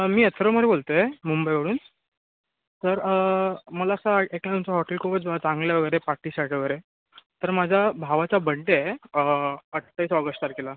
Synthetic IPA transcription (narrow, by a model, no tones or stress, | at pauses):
miːet̪ʰɾoməɾebolt̪əemumbəjʋəɽuːn | t̪əɾəməlaəsaeklãt̪umt͡saɦɔʈelkʰubət͡sbaat͡sãŋɡljaʋəɡəjɾepaʈiːsaʈʰʋəɡəjɾe | t̪əɾmad͡ʑʱjabʱaʋat͡ɕabəɳʈeəəʈt̪ːaisɔɡəʂʈaɾkela